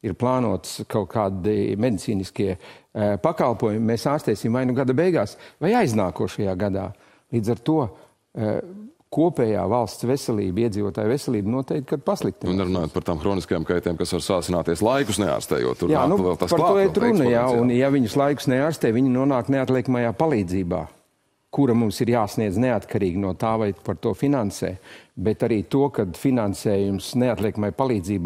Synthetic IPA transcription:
iɾplˠaːnuɔt̪skawkʰaːd̪imed̪it̪siːniskiɛpakalˠpuɔjumːesaːɾst̪ɛːsʲimvajnuɡad̪abɛjɡaːsvajajznaːkuːʃajaːɡad̪a̰ː | lˠiːd̪zaɾt̪uɔ | kuɔpɛːja̰ːvalˠst̪sʋesɛlˠḭːbiɛd̪ziːʋuɔt̪aːjʋvesɛlˠiːbnuɔt̪ɛkt̪kad̪̚paslˠik̚t̪innnɛɾunaːjoːt̪̚pɐɾt̪aːmxɾoːniskɐjaːmkajt̪ɛːmkasvaɾsaːsinaːt̪iɛslˠajkʊsnɛa̰ːɾst̪ɛ̰ːjṵt̪ːuɾjaːnuvɛlˠt̪aspaɾtt̪ːɔɛt̪ɾunɐjaunjaviɲʊslˠajkʊ̥sneaːɾst̪ɛːjʋiɲɪnuɔnaːkneat̪lɛkmajaːpalˠiːd̪ziːba̰ː | kuɾamumsiɾjaːsniɛzneat̪kʰaɾiːɡʲnuɔt̪aːʋajpaɾt̪uɔfinansɛ̰ːbɛt̪aɾiːt̪uɔkad̪finansɛːjumsneat̪lʲˠɛkmajpalˠiːd̪ziːb

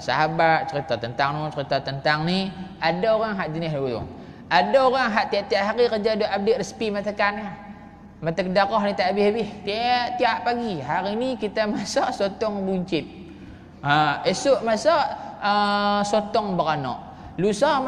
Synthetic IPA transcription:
sa̰ɦabat̪̚t͡ʃəɾit̪ɔt̪ənt̪aŋnɔt͡ʃəɾit̪ɔt̪ənt̪aŋniadaoɣaŋɦaʔd͡ʒənɪɦlut̪ṵ | adaoɣaŋɦaʔt̪iaʔt̪iaʔɦaɾikərd͡ʒadoʔab̚deʔrəspimat̪əkana | mat̪əkədaɣɔɦnit̪aʔbɪhbɪht̪iaʔt̪iaʔpaɡiɦaɾinikit̪amasɔʔsot̪ɔŋbuɲt͡ʃɪt̪̚ | aesʊʔmasɔʔəsot̪ɔŋbəɣanɔ̰ʔ | lusɔ

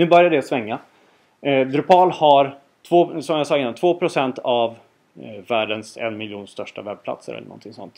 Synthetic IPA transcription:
nʉ̟ːbœɾjaɖ̪ɛasvɛŋːa | d̪ɾɵpʰɑːlhaɾ | t̪ʰvoːsɔmjasɑːɪnːant̪voːpʰɾʊsɛnt̪ʰavː | æːɖənsɛ̰nmɪljuːnst̪œʂʈavɛb̚pʰla̰t̪sə̰ɾɛ̰lə̰ɳɔ̰nt̪ʰɪŋsɔ̰nt̪

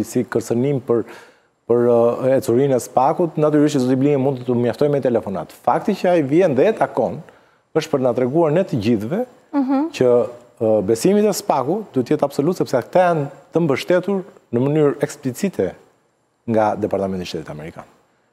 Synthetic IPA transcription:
sikəɾt͡sənimpəɾ | pəɾɛt͡suɾinɛspakut̪nat̪yɾiʃ̬tzɔt̪ibliŋimund̪t̪əmjaft̪ɔjmɛt̪ɛlɛfɔna̰t̪fakt̪icəaivjɛnðɛɛt̪akɔn | əʃt̪̚pəɾt̪nat̪ɾɛɡuaɾnɛt̪əɟiθvɛ | cə | bɛsimit̪ɛspakutd̪uhɛt̪əjɛt̪absɔlut̪sɛpsɛkt̪ɛjant̪əmbəʃt̪ɛt̪uɾnəmənyɾɛksplit͡sit̪ʰɛ | ŋɡad̪ɛpaɾt̪amɛnt̪iʃt̪ɛt̪it̪amɛɾika̰n

